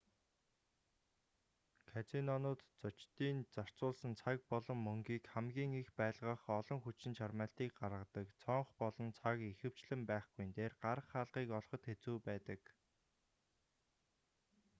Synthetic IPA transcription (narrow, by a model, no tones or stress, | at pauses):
kʰat͡sinɔnʊːt̪t͡sʊt͡ɕt̪iːnt͡sar̥t͡sʊːɮsə̆nt͡sʰak̚pɔɮɞ̆mːɵŋɡiːkχæmɡʲiːŋixpæːɮʁə̆χɔɮɞ̆ŋxut͡ɕɪ̆nt͡ɕʰarmæːɬt̪iːkɢarʁə̆t̪ə̆kt͡sʰɔɴχpɔɮɞ̆nt͡sʰakixɘ̆w̥t͡ɕɮɘ̆mpæːχɡujnt̪eːrɢaɾə̆χːaːɮʁiːkɔɮχɞ̆t̪xet͡suːpæːt̪ə̆k